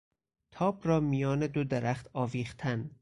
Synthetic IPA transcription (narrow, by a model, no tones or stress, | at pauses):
t̪ʰɒːbɾɒːmijɒːned̪od̪eɾæχt̪ʰɒːviːχt̪ʰæn